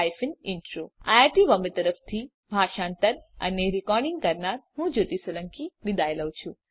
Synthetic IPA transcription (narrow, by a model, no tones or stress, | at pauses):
jfənɪnʈɾoajaɾʈiʋəmbət̪əɾəpʰt̪ʰi | bʱaːʃãɳt̪əɾə̰neɾikɔɾɖɪŋɡ̚kəɾnaɾɦũd͡ʒot̪isələŋkid̪id̪ʱajləʋt͡ʃʰũ